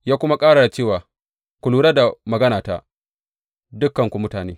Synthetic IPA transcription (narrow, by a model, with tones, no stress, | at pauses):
jaː˦kʷʊ˦ma˦kʼaː˦ɽa˨da˨t͡ʃeː˦˨waː˨ | kʷu˨luː˦ɽa˦da˨mɐ˨ɡɐ˦naː˨ta̰˦ | dʊ˦kːɐ˨ŋkʷu˨mʊ˦taː˨nḛː˦